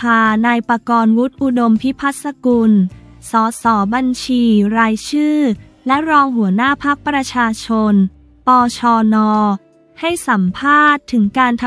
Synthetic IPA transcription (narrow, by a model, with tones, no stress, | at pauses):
aː˧naː˧jpa˧kɔː˧nwu˦˥t̪̚ʔu˧do˧mpʰi˦˥pʰa˦˥t̪̚sa˧ku˧nsɔː˩˦sɔː˩˦ba˧nt͡ɕʰiː˧ɾaː˧jt͡ɕʰɯː˥˩ | lɛ˦˥ɾɔː˧ŋɦu˩˦ɐnaː˥˩pʰa˦˥k̚pɾa˧t͡ɕʰaː˧t͡ɕʰo˧n | pɔː˧t͡ɕʰɔː˧nɔː˧ | ha˥˩jsa˩˦mpʰaː˥˩t̪ʰːɯ˩˦ŋkaː˧nt̪ʰ